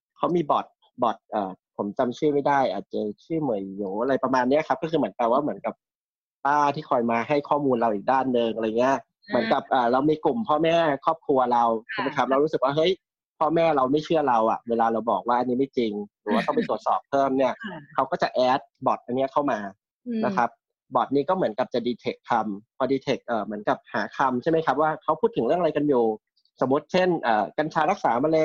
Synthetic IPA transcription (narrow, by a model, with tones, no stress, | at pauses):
kʰa˦˥wmiː˧bɔ˨˩t̪̚ | bɔ˨˩t̪̚ʔɤː˨˩pʰo˩˦mt͡ɕa˧mt͡ɕʰɯː˥˩ma˥˩jdaː˥˩jʔa̰ː˨˩t̪̚t͡ɕa˨˧˩t͡ɕʰɯ˥˩mɯ˨˩˦jːuː˩˦ʔa˧ɾa˧jpɾa˧maː˧nːi˦˥˨kʰa˦˥p̚kɔː˥˩kʰɯː˧m˩˦ənt̪aː˨˩waː˥˩mɯ˩˦ə˦nka˨˩p̚ | t̪aː˥˩t̪ʰiː˥˩kʰɔː˧jmaː˧ɦa˥˩jkʰɔː˥˩muː˧nɾa˧wʔiː˨˩k̚daː˥˩nːɯ˧ŋʔa˧ɾŋi˦˥ɐ | mɯ˩˦ənka˨˩p̚ʔaː˨˩ɾa˧wmiː˧ku˨˩mpʰɔː˥˩mɛː˥˩kʰɔː˥˩p̚kʰɾu˧ɐɾa˧wkʰa˧˩ma˧t̪ʰa˧˦˥ɾa˧wɾu˦˥sɯ˨˩k̚waː˥˩ɦɤ˦˥j | pʰɔː˥˩mɛː˥˩ɾa˧wma˥˩jt͡ɕʰɯ˥˩ɐɾa˧wʔa̰˨˩weː˧laː˧ɾa˧wbɔ̰ː˨˩k̚waː˥ʔa˧nːiː˦˥ma˥˩jt͡ɕi˧ŋɾɯː˩˦waː˧˩t̪ɔ˥˩ŋpa˧t̪u˨˩ət̪̚sɔ̰ː˨˩pʰːɤː˥˩mni˥˩ɐkʰa˦˥wkɔː˥˩t͡ɕa˨˩ʔɛː˦˥t̪̚bɔː˨˩t̪̚ʔa˧nːi˦˥ɐkʰa˥˩wmaː˧ | na˦˥kʰa˦˥p̚ | bɔː˨˩t̪̚niː˦˥kɔː˥˩mɯ˩˦ənka˨˩p̚t͡ɕa˨˩diː˧t̪ʰe˨˩k̚t̪ʰːa˧mpʰɔː˧diː˧t̪ʰe˨˩k̚ʔɤː˨˩mɯ˩˦ənka˨˩p̚ha̰ː˩˦kʰa˧mt͡ɕʰa˥˩jma˦˥jkʰa˦˥p̚waː˥˩kʰa˦˥wpʰu˥˩t̪ʰːɯ˨˩˦ŋɾɯ˥˩əŋa˧a˧jka˧njuː˨˩ | so˩˦mɾu˦˥t̪̚t͡ɕʰe˥˩nʔɤː˨˩ka˧nt͡ɕʰaː˧ɾa˦˥k̚saː˩˦ma˧le˧